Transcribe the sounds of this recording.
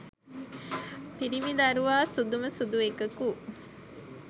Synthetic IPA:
piɾimid̪aɾuʋaːsud̪uməsud̪uekəku

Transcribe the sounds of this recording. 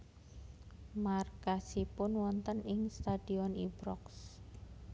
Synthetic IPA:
markasipʊnwɔnt̪ənɪŋst̪ad̥iɔnibɾɔks

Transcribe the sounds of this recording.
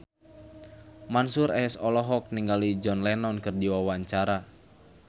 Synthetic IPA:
mansuɾɛɛsɔlɔɦɔk̚niŋɡalid͡ʒɔnlɛnɔnkɨrdiwawaɲt͡ʃaɾa

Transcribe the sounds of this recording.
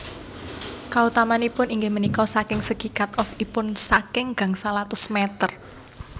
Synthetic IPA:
kaut̪amanipʊniŋɡɪhmənikɔsakɪŋsəɡ̥i̤kat̪̚ɔfipʊnsakɪŋɡ̥a̤ŋsalat̪ʊsmɛt̪ər

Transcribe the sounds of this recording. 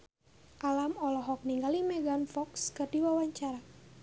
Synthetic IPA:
ʔalamɔlɔɦɔk̚niŋɡalimɛɡanfɔkskɨrdiwawaɲt͡ʃaɾa

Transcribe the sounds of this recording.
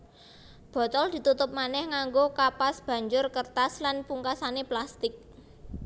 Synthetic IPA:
b̥ɔ̤t̪ɔld̪̥i̤t̪ut̪ʊp̚manɛhŋaŋɡokapasb̥a̤ɲd͡ʒʊrkərt̪aslanpuŋkasaneplast̪ɪk̚

